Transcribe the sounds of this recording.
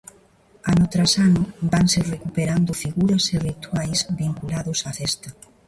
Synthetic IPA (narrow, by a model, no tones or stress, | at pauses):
anot̪ɾasanʊbaŋserekupeɾand̪ʊfiɣuɾɐserit̪wajsβiŋkulaðʊsafɛst̪ɐ